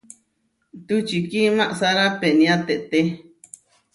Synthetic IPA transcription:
t̪ut͡ʃikimãʔsaɾapeʔnĩat̪eʔt̪e

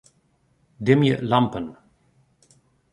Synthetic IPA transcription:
dɪmjəlampə̃n

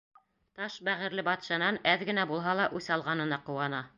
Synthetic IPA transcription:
t̪ɑʃbæʁɘ̆ɾlɘbɑt̪ʃɑnɑnæðɡɘ̆næbulˠɦɑlˠɑʔʉsɑlˠʁɑnɤ̆nɑqŏwɑnɑ

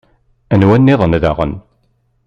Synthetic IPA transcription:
ænwænːɪðˤənða̰ʁə̰n

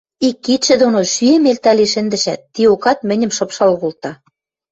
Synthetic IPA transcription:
ikːit̪ʃɘ̆d̪onoʃyĕmelt̪æliʃɘ̆nd̪ɘ̆ʃæt̪ːiokɑt̪mɘ̆nʲɘ̆mʃɤ̆pʃɑlɣolt̪ɑ

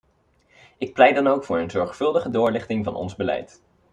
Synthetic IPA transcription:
ɪk̚plɛjdɑnowkfʊːɹənzɔɹχfɵlˠdəχədʊːɹlɪχtɪŋvɑ̰nɔ̰nzbəlɛ̰jt

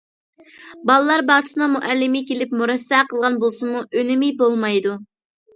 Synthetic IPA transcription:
bɑlˠɨlˠɑɾbɑʁt̪ʰɨ̥smɑmuʔælːɪmɪkʲelɪpmuɾɛsːɛqʰəlˠʁɑnbolˠsɨmuʔønɪmijbolˠmɑjd̪u

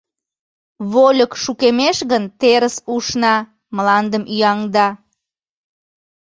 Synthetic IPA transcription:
βolʲəkʃukemeʃɣənt̪eɾəsuʃnɑ | mlɑnd̪əmʔyjɑŋd̪ɑ

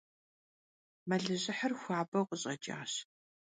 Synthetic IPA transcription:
mɐɮɨʑɪħərxʷaːbɐwqʷʼəɕʼɐt͡ʃʼa̰ːɕ

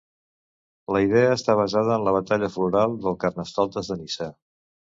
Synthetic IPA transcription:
ləið̞eəːst̪aβ̞əzað̞əːnləβ̞ət̪aʎəfluɾalˠd̪əlˠkərnəst̪ɔlˠt̪əzðənisɛ

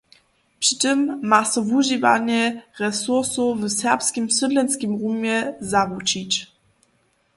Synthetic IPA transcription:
pʂi̥tɘmːasɔvuʒiva̰ɲɛʁɛsuʁsuvsɛʁpskʲimsɨdlɛnskʲimʁumʲjɛzavut͡ɕit͡ɕ

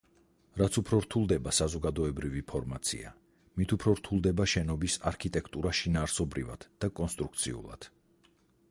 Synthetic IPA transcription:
ɾat̪sʰupʰɾɔɾt̪ʰulˠd̪ɛbasazɔɡad̪ɔɛbɾivipʰɔɾmat̪sʰḭa | mit̪ʰupʰɾɔɾt̪ʰulˠd̪ɛbaʃɛnɔbisaɾkʰit̪ʼɛkʰt̪ʼuɾaʃinaːɾsɔbɾḭva̰d̪̥d̥̪akʼɔnst̪ʼɾuk̚ʰt̪sʰḭṵlˠa̰d̪̥

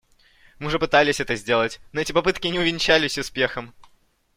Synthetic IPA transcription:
mɨʊʐɛpɨt̪alʲɪsʲɛt̪əzʲdʲe̞lˠətʲnoɛtʲɪpɐpɨt̪kʲɪnʲɪʊvʲɪnʲt͡ɕælʲɪsʲʊspʲe̞xəm

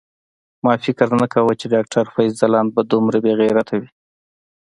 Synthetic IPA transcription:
mɑfɪkɾnakawət͡ʃeɖɑk̚ʈʰaɾfajzzalɑnbad̪umɾabeɣiɾat̪ʰawi

